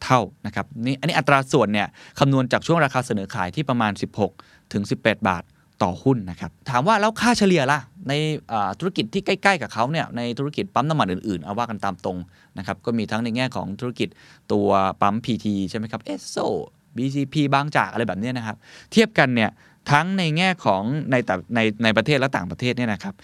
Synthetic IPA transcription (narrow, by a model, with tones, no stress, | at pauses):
t̪ʰa˥˩wna˦˥kʰa˦˥p̚ni˦˥ʔa˧nːi˦˥ʔa˨˩t̪ːɾaː˧su˨˩ənːi˥˩ɐkʰa˧mnu˧ənt͡ɕaː˨˩k̚t͡ɕʰu˥˩ŋɾaː˧kʰaː˧sa˧nɤː˩˦kʰaː˨˦jt̪ʰiː˥˩pɾa˧maː˧nsi˨˩p̚ho˨˩k̚ | t̪ʰːɯ˨˩˦ŋsi˨˩pːɛː˨˩t̪̚ba̰ː˨˩t̪̚ːɔ̰ː˨˩hu˥˩nːa˦˥kʰa˦˥p̚t̪ʰaː˩˦mwaː˥˩lɛː˦˥wkʰaː˥˩t͡ɕʰa˧li˨˧ɐla˧˩na˧jʔaː˨˩t̪ʰu˦˥ɾa˥ki˨˩t̪ʰːiː˥˩ka˥˩jkla˥˩jkaː˨˩kʰa˦˥wni˥˩ɐna˧jt̪ʰu˦˥ɾa˥ki˨˩t̪̚pa˦˥mna˧mːa˨˩n̚ʔɯː˨˩nʔɯː˨˩nʔa˧waː˥˩ka˧nt̪aː˧mt̪o˧ŋ | na˦˥kʰa˦˥p̚kɔː˥˩miː˧t̪ʰa˦˥ŋna˧jŋɛː˥˩kʰɔ̰ː˩˦ŋt̪ʰu˦˥ɾa˥ki˨˩t̪̚t̪u˧ɐpa˦˥mpʰiː˧t̪ʰiː˧t͡ɕʰa˥˩jma˦˥jkʰa˦˥pʔe˦˥soː˧˩ | biː˧siː˧pʰiː˧baː˧˩ŋt͡ɕa̰ː˨˩k̚ʔa˧ɾa˧jbɛː˨˩ni˦˥ɐna˦˥kʰa˦˥p̚t̪ʰi˥˩əp̚ka˧nːi˥˩ɐ | t̪ʰa˦˥ŋna˧jŋɛː˥˩kʰɔː˩˦ŋna˧jt̪ɛː˨˩na˧jna˧jpɾa˧t̪ʰeː˥˩t̪lɛ˦˥t̪aː˨˩ŋpɾa˧eː˥˩t̪ni˥˩na˦˥kʰa˦˥p̚